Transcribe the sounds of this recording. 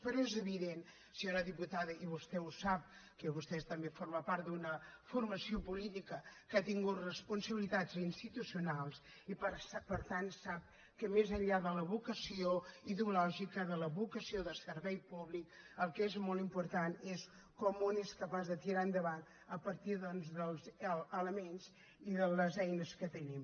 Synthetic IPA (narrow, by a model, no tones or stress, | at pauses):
pəɾɔezəβiðen | siaɾəðiput̪aðəʔiβust̪ɛusap̚kəβust̪ɛst̪əmbefoɾməpaɾt̪̚d̪unəfurməsiopulit̪ikəkat̪iŋɡut̪rəspunsəβilit̪azinst̪it̪usiunalˠs | ipspəɾt̪ansap̚ | kəmezəʎʎaðələβukəsioiðeulɔʒikəðələβukəsioðəsəɾβɛjpuβlik | əlˠkezmɔlˠimpuɾt̪anes | kɔmoneskəpazðət̪iɾaənd̪əβan | əpəɾt̪iðɔnzðəlˠzəələmenz | iðələzɛjnəskət̪ənim